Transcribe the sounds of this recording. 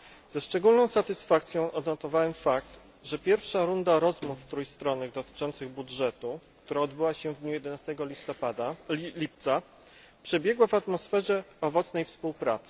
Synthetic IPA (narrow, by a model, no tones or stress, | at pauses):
z̥ɛʂt͡ʂɛɡulnɔ̃w̃sat̪ɘsfakt̪sʲjɔ̃w̃ʔɔd̪nɔt̪ɔvawɛmfak̚t̪ | ʐɛpʲjɛɾfʂaɾund̪aɾɔzmuft̪ɾujst̪ɾɔnːɘɣd̪ɔt̪ɘ̥t͡ʂɔnt̪sɘɣbudʐɛt̪ukt̪uɾaɔd̪bɘwaɕɛvd̪ɲujɛd̪ɛnast̪ɛɡɔist̪ɔpad̪aip̚t̪sa | pʂɛbʲjɛɡwavat̪mɔsfɛʐɛɔvɔt̪snɛjfspuwpɾa̰t̪sɘ̥